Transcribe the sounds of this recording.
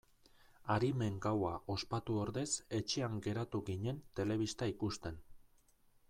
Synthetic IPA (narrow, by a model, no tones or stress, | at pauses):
aɾime̞ŋɡawaʔo̞spat̪uo̞ɾðe̞se̞t͡ʃe̞aŋɡe̞ɾat̪uɣiɲe̞nt̪e̞le̞β̞ist̪aikust̪e̞n